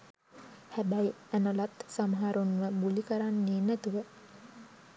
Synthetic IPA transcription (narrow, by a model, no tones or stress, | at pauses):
hæbæjænəlat̪samɦaɾunʋəbulikəɾanːeːnæt̪uʋə